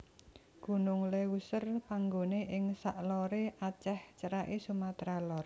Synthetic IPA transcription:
ɡ̥ṳnʊŋlewusərpaŋɡoneʔɪŋsaʔlɔɾeʔat͡ʃɛht͡ʃəɾaʔesumat̪ɾalɔr

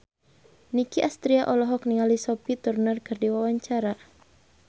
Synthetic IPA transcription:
nikiʔast̪ɾiaʔɔlɔɦɔk̚niŋalisɔpit̪urnərkɨrdiwawaɲt͡ʃaɾa

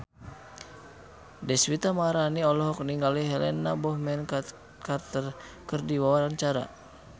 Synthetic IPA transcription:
dɛswit̪amaɾaniɔlɔɦɔk̚niŋɡaliɦɛlɛnabɔhmɛn | kart̪ər | kərdiwawaɾant͡ʃaɾa̰

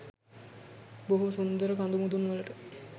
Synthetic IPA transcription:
boɦusund̪əɾəkand̪umud̪unʋələʈə

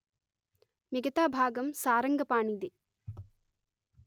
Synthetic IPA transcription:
miɡɐt̪aːbʱaːɡɐmsaːɾɐŋɡɐpaːɳid̪e

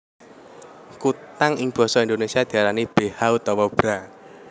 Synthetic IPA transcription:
kut̪aŋɪŋb̥ɔ̤sɔind̪onesiad̪̥i̤aɾanib̥ehaut̪ɔwɔb̥ɾa

